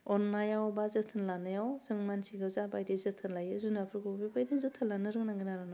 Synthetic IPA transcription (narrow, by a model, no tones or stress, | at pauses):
ɔnːajawbazɯtʰɯnlanajawzɯŋmansiɡɯzabajdezɯtʰɯnlajɯzunapʰɾkʰobibajdezɯtʰːalanɯɾɯŋnaŋɡinaɾɯna